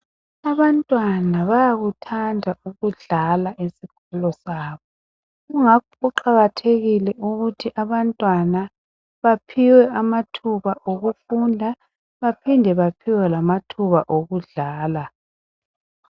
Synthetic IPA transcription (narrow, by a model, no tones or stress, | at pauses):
aβantʼwanaβajaɣutʰandʱauɣuɮalaʔesiɣʰɔlɔsaːβɔ | ɣuŋakʰɔuǃaɣatʰeɣilɛʔuɣutʰiʔaβantʼwana | βapʰiwɛamatʰuβaʔoɣufundʱa | βapʰindʱɛβapʰiwɛlamatʰuβa̰ʔoɣuɮaːla